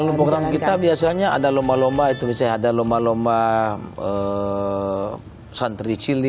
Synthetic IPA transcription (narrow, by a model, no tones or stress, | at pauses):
alupɾoɡɾamkit̪abiasaɲaa̰dalombalombait̪ubisaadalombalombaə | sant̪ɾit͡ʃili